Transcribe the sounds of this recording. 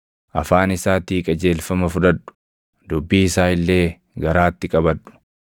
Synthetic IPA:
ʔɐfaːnɪsaːt̪iːkʼɐd͡ʒe̞ːlfɐmɐfʊᶑ̪ɐᶑːʊ̥ | d̪ʊbːiːɪsaːɪlːe̞ː | ɡɐɾaːt̪ːɪkʼɐbɐᶑʊ̥

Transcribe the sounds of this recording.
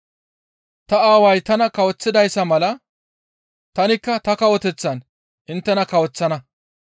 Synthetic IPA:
t̪ɐaːwɐjt̪ɐnɐkɐwɔt͡sːɪd̪ɐjsːɐmɐlɐ | t̪ɐnɪkːɐt̪ɐkɐwɔt̪ɛt͡sːɐn | ʔɪnt̪ːɛnɐkɐwɔt͡sːɐnɐ

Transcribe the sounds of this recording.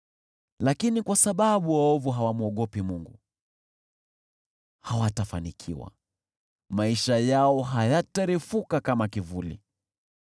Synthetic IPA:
lakinikwasaɓaɓuwaɔvuɦawamuɔɠɔpimuŋɡu | hawatafanikʰḭwa̰ | maiʃajaɔɦajataɾifukakamakivulḭ

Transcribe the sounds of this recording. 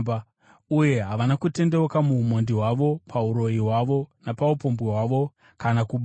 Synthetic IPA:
uje̞ɦaʋanakute̞nde̞okamumondiɦwaʋo̞pʰauɾo̞jiɦwaʋo̞napaupo̞mbweɦwaʋo̞ | kanakuɓ

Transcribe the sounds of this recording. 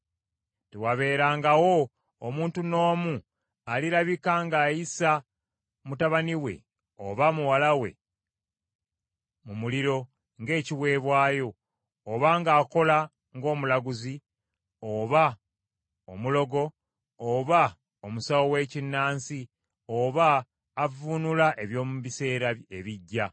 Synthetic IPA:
tewaβe̞ːɾaːŋɡawo̞ː | muːntuno̞ːmu | aliɾaβikaŋɡaːjisa | mutaβaniwe̞̰ | o̰βamuwalawe̞̰ | mumuliɾo̞ | ŋɡe̞ːciwe̞ːβwaːjo̞ː | βaŋɡaːko̞la | ŋɡo̞ːmulaɡuzi | oβa | omulo̞ɡo̞ | oβa | omusawowe̞ːcinːaːnsi | oβaː | vunulaʔeβjo̞ːmβise̞ːɾaeβiɟːa

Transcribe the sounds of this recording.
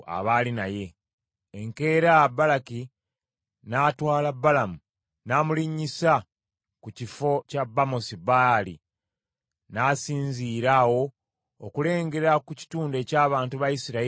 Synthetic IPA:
a̰βaːlinaje̞ː | ŋke̞ːɾabːalaki | naːtwaːlabːalamu | naːmuliɲːisa | kucifo̞cabːamosibalḭ | naːsiːnziːɾawo̞ː | kule̞ːŋɡe̞ɾɾakuci̥tuːnde̞ːcaːβaːntuβajisiɾa

